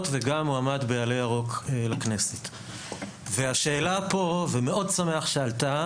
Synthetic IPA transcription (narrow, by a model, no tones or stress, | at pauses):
tveɡamoamadbealejaʁo̞kelakne̞set | veaʃe̞ːlapo̞veme̞o̞dsame̞aχʃealt̪a